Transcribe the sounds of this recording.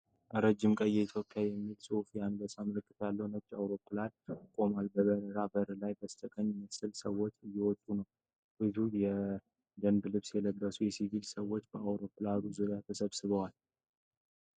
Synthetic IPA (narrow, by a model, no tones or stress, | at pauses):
ʔəɾəd͡ʒːɪmkʼəjːɛit̪ʰjo̞pʼjajɛmːilsʼufjanbəsaməlɨkʼːɨt̪jalːəwnət͡ʃːa̰wɾo̞kːulad̪kʼo̞malbəβəɾəɾabəɾɨlajbəst̪ʰʼəkʼəɲːməsɨlsəwːo̞t͡ʃːɨjːɛwɔt̪ʼːunəw | b̥ɨzujɛ | d̪ənd̪lɨβsjɛləbːəsujɛsivilsəwːot͡ʃːbəawɾo̞kːulad̪uzuɾjat̪ʰəsəβsɨβəwal